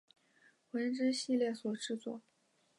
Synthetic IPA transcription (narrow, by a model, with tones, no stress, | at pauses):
xwə˧˥nʈ͡ʂɻ̩˥ɕi˥˧ljɛ˥˩swɔ˨˩ʈ͡ʂɻ̩˥˧t͡swɔ̰˥˩